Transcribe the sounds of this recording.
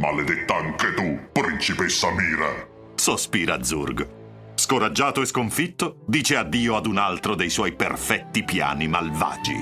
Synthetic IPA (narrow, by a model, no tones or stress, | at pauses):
malːed̪et̪ːaaŋket̪upɾint͡ʃipesːamiːɾa | sospiːɾad̪zːṵrɡ | skoɾad͡ʒːaːt̪oeskoɱfit̪ːod̪iːt͡ʃead̪ːiːoad̪unalt̪ɾod̪ejswɔjpḛrfɛt̪ːipja̰ːnimalva̰ːd͡ʒḭ